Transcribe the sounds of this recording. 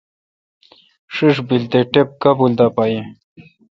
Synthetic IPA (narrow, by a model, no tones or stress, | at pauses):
ʂiʂbilt̪eʈep̚kabuld̪apaji